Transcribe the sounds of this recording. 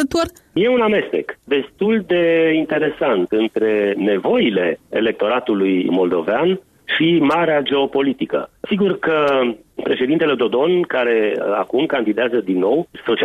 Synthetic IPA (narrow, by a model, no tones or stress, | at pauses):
t̪orje̞uname̞st̪e̞kd̪e̞st̪uld̪e̞int̪e̞ɾe̞sant̪ɨnt̪ɾe̞ne̞vo̞ile̞ḛle̞k̚t̪o̞ɾat̪ulujmo̞ld̪o̞vean | ʃimaɾead͡ʒe̞o̞po̞lit̪ikə̰siɡurkə | pɾe̞ʃe̞d̪int̪e̞led̪o̞d̪o̞nkaɾe̞a̰kumkand̪id̪eazəd̪inːo̞wso̞t͡ʃi